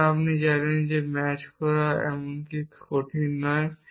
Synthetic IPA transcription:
apnid͡ʑanend͡ʑemɛt͡ɕkɔɾaɛ̰monkikʰoʈʰinɔe

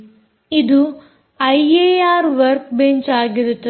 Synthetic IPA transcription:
id̪u | ɐjeaːɾʋɐɾk̚beɲt͡ʃaːɡiɾut̪ːɐ

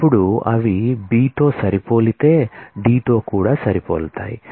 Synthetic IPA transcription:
ɐpːuɽuɐ̰ʋibiːʈoːsɐɾipoːlit̪eːɖiːʈoːkuːɽaːsɐɾipoːlt̪a̰ːjḭ

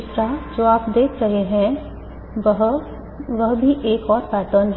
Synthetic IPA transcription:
t̪ɾad͡ʒoːaːpd̪eːkɾɐɦeɦɛ̃ | ɦ | ʋɐɦbʱiʔeːkɔːɾpaːt̪ənɦ

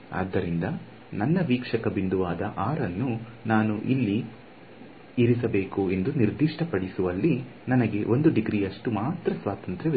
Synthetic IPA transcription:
a̰ːd̪ːɐɾind̪ɐ | nɐnːɐʋiːkʂɐkɐbind̪uʋaːd̪ɐʔaːɾɐnːunaːnuʔilːi | iɾis̬ɐbe̞ːkue̞nd̪uniɾd̪iʂʈʰɐpɐɽisuʋɐlːi | nɐnɐɡe̞ʔo̞nd̪uɖiɡɾijɐʂʈumaːt̪ɾɐsʋaːt̪ɐnt̪ɾe

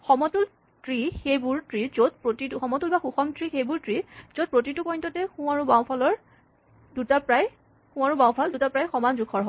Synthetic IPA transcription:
xɔmɔtul | tɹixejbuɹtɹizot̚pɹotituxɔmɔtulbaxuxɔmtɹixejbuɹtɹizot̚pɹotitukɔjntɔtɛxũaɹubaw̃pʰalɔɹ | dutapɹaj | xũaɹubaw̃pʰaldutapɹajxɔmanzukʰɔɹɦɔ

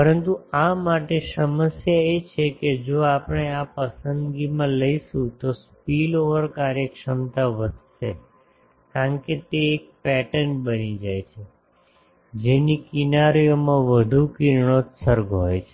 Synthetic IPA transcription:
pəɾənt̪uamaʈesəməsjaet͡ʃʰeked͡ʒoapəɽ̃eapəsənd̪ɡimãləiʃũt̪ospiloʋəɾkaɾjəkʃəmt̪aʋəd̪ʱʃe | kaəɳket̪eːk̚pɛʈəɳʈbənid͡ʒajt͡ʃʰe | d͡ʒenikinaɾijomãʋəd̪ʱukiɾɳot̪səɾɡɦojt͡ʃʰe

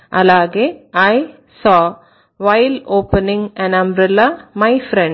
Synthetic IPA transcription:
ʔɐlaːɡeːɐɪ | sɔː | ʋɐɪloːpənɪ̃ŋɛ̃nɐ̃mbɾɪlamɐɪfɾɛ̃ɳ

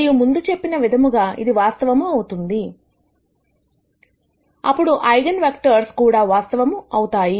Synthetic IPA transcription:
jumund̪ut͡ʃe̞pːinɐʋid̪ʱɐmuɡaːḭd̪iʋaːst̪ɐʋɐmuɐwut̪und̪i | ɐpːuɽuʔɐjɡɐnʋek̚ʈɐɾskuːɽaːʋaːst̪ɐʋɐmuɐwut̪aːji

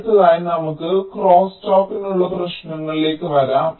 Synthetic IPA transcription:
t̪ːilaːjinɐmukːɨkroːsʈoːkːinuɭːɐprɐʂɳɐŋːɐɭile̞ːkːɨʋɐɾaːm

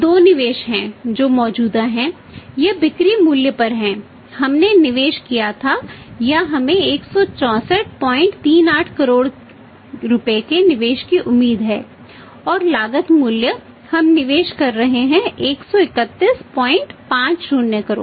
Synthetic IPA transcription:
d̪oːnɪʋeːʃɦɛ̃ːd͡ʒoːmɔːd͡ʒuːd̪aɦɛ̃ | jebɪkɾimuːljəpɐɾɦɛ̃ː | hɐmnenɪʋeːʃkijat̪ʰajaɦɐmẽeːksɔt͡ʃɔ̃ːsəʈ̚pɔːɪ̃ɳʈt̪iːnaːʈʰkɐɾoːɽ | ɾʊpekenɪʋeːʃkiʔʊmːiːd̪ɦɛː | ɔːɾlaːɡət̪muːljə | hɐmnɪʋeːʃkɐɾːɐɦeɦɛ̃eːksɔɪkət̪ːispɔːɪ̃ɳʈpãːt͡ʃɾuːnjəkəɾo̰ːɖ

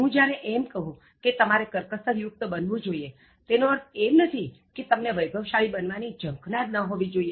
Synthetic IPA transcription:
ɦũd͡ʒjaɾeʔemkəɦũ | ket̪əmaɾekəɾkəsəɾjʊk̚t̪əbənʋũd͡ʒoie | t̪enoəɾemnət̪ʰiket̪əmneʋəjɡəʋʃaɭibənʋanid͡ʒə̃ŋknaɾnəɦoʋid͡ʒoie

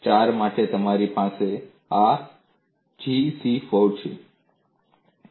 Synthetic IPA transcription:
t͡ʃaːɾmaːʈet̪əmaːɾipãːse | a | d͡ʒisifoɾt͡ʃʰḛ

